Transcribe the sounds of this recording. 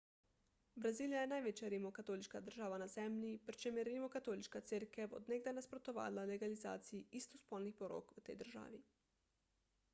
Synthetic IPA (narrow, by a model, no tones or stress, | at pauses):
bɾaziːlijajenajʋet͡ʃjaɾimokat̪oliʃkad̪əɾʒaːʋanazɛmlipɾit͡ʃemjɛɾimokat̪oːliʃkat̪seɾkeʋo̰d̪neɡd̪ajnaspɾot̪oʋa̰ːlaleɡaliza̰ːt̪sijiist̪ospolnixpoɾo̰kʋət̪ḛjd̪əɾʒa̰ːʋi